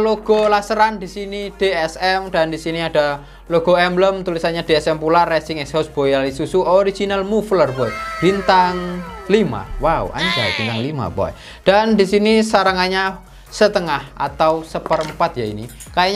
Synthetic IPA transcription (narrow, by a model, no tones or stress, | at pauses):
loɡ̥ɔ̤lasəɾandisinid̥eɛsɛmɖ̥andisiniad̥a̤ | loɡ̥ɔ̤ɛmləmt̪ulisaɲad̥eɛsɛmpularɛsɪŋɛkshosb̥ojalisusuʔoɾid͡ʒinalmuflərpɔɛb̥int̪aŋlima̰waṵa̰ɲd͡ʒa̰b̥int̪aŋlima̰pɔ̰ɛ̰ | ɖ̥andisinisaɾəŋaɲa | sət̪əŋahʔa̰t̪ausəpəɾəmpat̪jaini | kajaɲ